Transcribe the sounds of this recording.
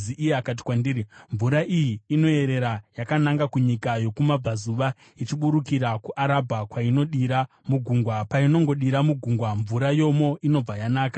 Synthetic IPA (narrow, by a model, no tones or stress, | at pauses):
iʔijeakat̬i̥kwandiɾiɱvuɾaʔijiːno̞e̞ɾe̞ɾajakanaŋɡakuɲikajo̞kumab͡vazuʋa | it͡ʃiɓuɾukiɾakuʔaɾabʱakwaino̞ɗiɾa | muɡʱuŋɡwapaino̞ŋɡo̞ɗiɾamuɡʱuŋɡwaɱvuɾajo̞mo̞ino̞b͡vajanaːkḁ